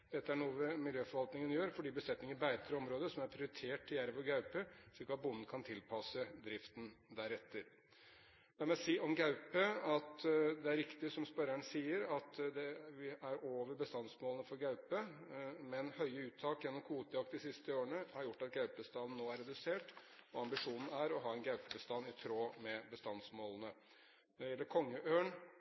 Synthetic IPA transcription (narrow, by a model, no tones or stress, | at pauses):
d̪̥ɛt̪ːəæɳuːəʋəmɪljøːfɔɾʋɑlt̪nɪŋənjøːɾfɔɖiːbəslɛt̪nɪŋəɾbæɪt̪ʰəɾəɔmɾoːd̪əsɔmæɾpʰɾɪʊɾɪt̪ʰeːʈɪjæɾʋɔɾɡɑʉpəʂɭɪlkɑt̪̚bʊnn̩kʰɑnt̪ʰɪlpʰɑsəd̪ɾɪft̪n̩d̪æɾɛt̪ːəɾ | ɛmsiːʔɔmɡɑʉpəɑt̪d̪ɛæɾɪkt̪ɪsɔmspœɾæɳsiːəɾɑt̪d̪ɛʋɪæɾoːʋəɾbəst̪ɑnsmoːlənəfɔɾɡɑʉpəmɛnhœʏəʉːt̪ʰːɑːkjɛnːɔmkʰuːt̪əjɑkt̪d̪ɪsɪst̪əoːəɳəhɑɾjʊʈːɑt̪ɡɑʉpəst̪ɑːln̩noːæɾːɛd̪ʉseːʈɔɑmbɪʂuːnn̩æɾɔɦɑːɛnɡɑʉpəbəst̪ɑnːɪt̪ʰɾoːmɛbəst̪ɑnsmoːlənə | nɔɖɛjɛlːəɾkʰɔŋːəʔøːɳ